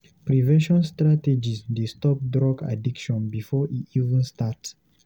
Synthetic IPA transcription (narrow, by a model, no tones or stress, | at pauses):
pɹivɛ̃ʃɔ̃nstɹated͡ʒisdestɔp̚dɹɔɡa̰dikʃɔ̃nbifɔʔiivə̃nstats